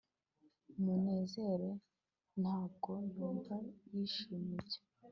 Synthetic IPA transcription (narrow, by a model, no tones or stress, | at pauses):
umune̞ːze̞ɾe̞ | n̥haːb̚ɡo̞nuːmvajiʃimiɟe̥